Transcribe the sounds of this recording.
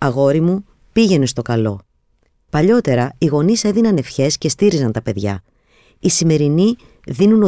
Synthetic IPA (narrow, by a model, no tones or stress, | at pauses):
ɐɣo̞ɾimu | piʝe̞ne̞st̪o̞kɐlo̞̰ | pɐʎo̞t̪e̞ɾɐiɣo̞nise̞ðinɐne̞fçe̞sce̞st̪iɾizɐnt̪ɐpe̞ðʝɐ̰ | isime̞ɾini | ðinuno